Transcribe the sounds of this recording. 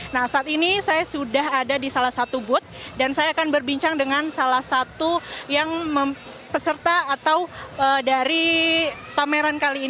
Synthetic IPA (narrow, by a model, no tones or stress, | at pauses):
nahsaːt̪inisajasudaɦadadisalahsat̪ubʊt̪̚dansajaːkanbərbiɲt͡ʃaŋdəŋansalahsat̪ujaŋmə | pəsərt̪aːt̪awədaɾi | pameɾankaliː